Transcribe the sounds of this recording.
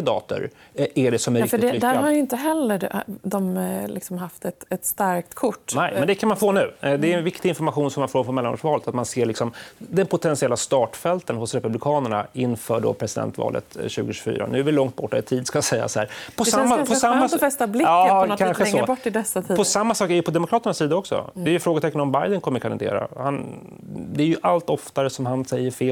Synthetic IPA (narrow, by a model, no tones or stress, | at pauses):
ɪd̪ɑ̰ːt̪ʊ̰ɾæɖɛsɔmɛɾɪkɪd̪æːɾhaɾjʏɪnt̪əɦɛlːəɖd̪ɔmlɪ̰ksɔmɦaft̪ɛt̪ɛt̪st̪aɾkt̪kʰʊʈːnɛjmmɛnd̪ɛkʰanmanfoːnʉ̟ːd̪ɛːnvɪkt̪ɪɪnfɔɾmaɧuːnsɔmːanfoːɾfoːmɛlːano̰ʂvɑːlt̪at̪manseːɭɪksɔmd̪ɛnpʰʊt̪ʰɛnsɪɛlːast̪ɑːʈfɛlt̪ənhʊsɾɛpɵblɪkʰɑːnəɳa̰ɪnːfœːɖɔ̰pʰɾɛsɪd̪ɛ̰nt̪vɑ̰ːlʔə̰t̪ɕʉ̟ːɡʊɕʉ̥fy̰ːɾʔa̰nʉ̟ːæɾvɪlɔŋt̪̚bɔʈːɛɪt̪ʰiːd̪skajasɛjːa̰shæːɾpʰɔsamːapʰɔsamːafɛst̪ablɪɑːkʰanɧəbɔʈːɪd̪ɛsːat̪ʰiːpʰɔsamːasɑːkɛɾjəpʰɔd̪ɛmʊkʰɾɑːt̪əɳasːiːd̪aɔksɔ̰d̪ɛːɾjʏɵfɾoːɡət̪ʰɛkːənɔmbajd̪ənkʰɔmːəɾkʰanɪd̪ḛːɾa̰han | d̪ɛːɾjɵʔalt̪ɔft̪aɾəsɔmhansɛjːəɾfeː